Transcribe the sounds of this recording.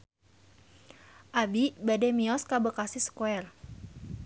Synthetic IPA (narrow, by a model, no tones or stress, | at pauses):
ʔabibadɛmiɔskabəkasisə̥koɛr